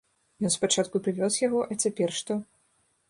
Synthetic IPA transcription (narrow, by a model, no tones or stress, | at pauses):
jɔnspat͡ʂat̪̚kupɾɨvʲɔsjaɣɔʔɐt͡sʲapʲɛrʂt̪ɔ